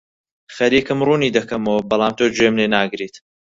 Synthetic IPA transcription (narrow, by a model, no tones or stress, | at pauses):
xɐɾiːkɨmruːniːd̪ɐkʰɐmowbɑlˠaːmt̪ʰoːd͡ʒwemlenaːɡɾiːt̪